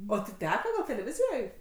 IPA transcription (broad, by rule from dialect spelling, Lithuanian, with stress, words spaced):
oː tʲɪ ˈtʲæːkɐ ɡɐlʲ tʲɛlʲɛˈʋʲɪzʲɪjoːj